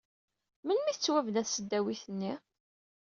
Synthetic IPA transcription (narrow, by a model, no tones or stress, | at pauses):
mənmiθt͡sːwævənæθsəd̪ːæwiθənːi